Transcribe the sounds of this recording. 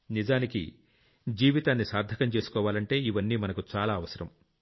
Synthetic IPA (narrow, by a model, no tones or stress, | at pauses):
nid͡ʒaːnikḭ | d͡ʒiːʋit̪aːnːisaːɾd̪ʱɐkɐmt͡ʃe̞ːsu̥kɔːʋaːlɐɳʈe̞ːiʋɐnːiːmɐnɐkut͡ʃaːlaːɐʋɐsɐɾɐm